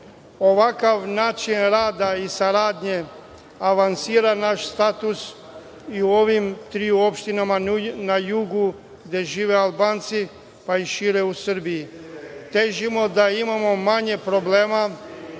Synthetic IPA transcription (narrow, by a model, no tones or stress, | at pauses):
o̞ʋakaʋnaːt͡ʃinɾaːd̪aisaɾaːd̪ɲe̞ | aʋansiːɾanaʃst̪at̪us | iuo̞ʋimt̪ɾiuo̞pʃt̪inamanajuɡu | ɡd̪e̞ʒiːʋe̞albaːnt̪si | paiʃiːɾe̞usr̩bijit̪e̞ʒimo̞d̪aimamo̞maɲe̞pɾo̞ble̞ːma